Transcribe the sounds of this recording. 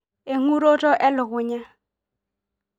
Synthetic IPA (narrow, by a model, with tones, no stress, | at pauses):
e˨ŋu˦ɾo˦tʼɔ˦ʔɛ˦lʊ˨ɣʊː˨˦ɲa˦